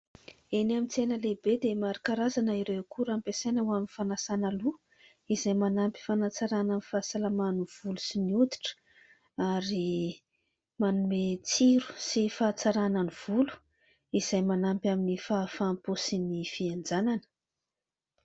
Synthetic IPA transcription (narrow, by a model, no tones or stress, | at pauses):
enamit͡senəlebed̪emaɾikaɾazanəiɾewkuɾampesejnəwaminfanasanalu | izajmanampi̥fanat͡saɾananifasalamanuv̥ulusiniut̪i̥ʈ͡ʂə̥ | aɾi | manumet͡siɾu̥sifat͡saɾananiv̥ulu̥ | iz̥ajmanampʲaminifafamposinifiand͡zananə̥